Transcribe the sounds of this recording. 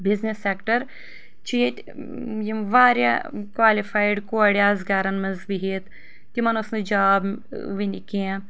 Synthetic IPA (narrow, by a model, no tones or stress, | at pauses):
bɪznesːeːkʈəɾ | t͡ʃit | jiʋaːɾja̰kwaːlifʰaːɪɖkoːɽjaːzɡaːɾɐnmɐnzbiɦeːt̪ | kimɐnʊsned͡ʒaːb | ʋinɪkeã